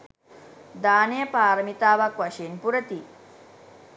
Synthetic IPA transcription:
d̪aːnejɐpaːɾɐmit̪aːʋakʋɐʂeːnpuɾɐt̪i

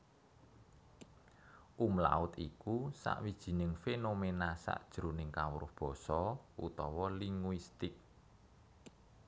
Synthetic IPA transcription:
ʔumla̰ʊt̪ikusa̰ʔwid̥ʒ̥i̤nɪŋfenomenasa̰ʔd̥ʒ̥ɾunɪŋkawɾʊ̰hb̥ɔ̤sɔʔṵt̪ɔwɔliŋwist̪ɪk̚

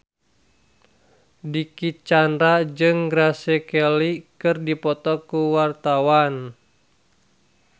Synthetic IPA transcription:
dikit͡ʃanɾad͡ʒɨŋɡɾasɛkɛlikɨrdipɔt̪ɔkuwart̪awan

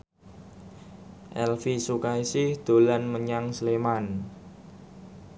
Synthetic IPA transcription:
ʔɛlfisukaisɪhd̪̥o̤lanməɲaŋsleman

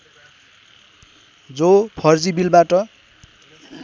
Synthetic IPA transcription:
d͡zopʰʌrd͡zibilbaʈʌ

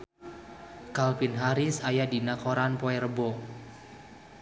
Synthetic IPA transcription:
kalpɪnɦaɾɪsajadinakoɾanpoɛɾəbo

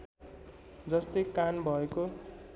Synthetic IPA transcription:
d͡zʌst̪ʌjkanbʱʌeko

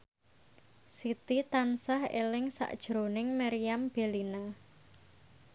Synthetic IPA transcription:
sit̪it̪ansahḛlɪŋsa̰ʔd̥ʒ̥ɾonɪŋmaɾiamb̥e̤lina

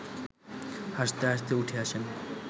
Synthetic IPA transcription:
haʃt̪eɦaʃ̬t̪euʈʰeaʃʰen

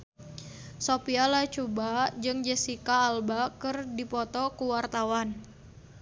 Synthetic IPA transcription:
sopialat͡ʃubad͡ʒɨŋd͡ʒɛsikaːlbakɨrdipɔt̪ɔkuwart̪awan

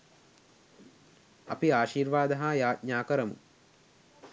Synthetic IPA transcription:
a̰piaːʃiːɾʋaːd̪ɐɦajaːt̪̚ɲaːkəɾəmṵ

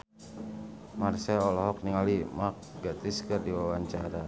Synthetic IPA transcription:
marsɛɔlɔɦɔk̚niŋalimak̚ɡat̪iskɨrdiwawaɲt͡ʃaɾa

